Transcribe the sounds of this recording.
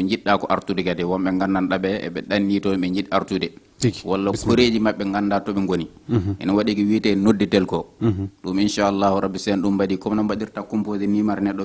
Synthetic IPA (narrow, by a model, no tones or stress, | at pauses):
ɛɲd͡ʒiɗakɔʔaɾtudɛɡadɛwɔmɓɛŋɡanːanɗabɛɛ̰ɓɛɗanːitɔɓɛɲd͡ʒiɗaɾtudɛ | walːakoɾeːd͡ʒimaɓːɛŋɡanːdatɔɓɛŋɡoniʔɛ̰nɔwaɗikiwiːtaɛnodːitɛlkɔɗuminʃaalːahuɾabːisɛanɗumbadiːkɔmnambaɗiɾtakɔmpozinimaɾnɛɗːɔ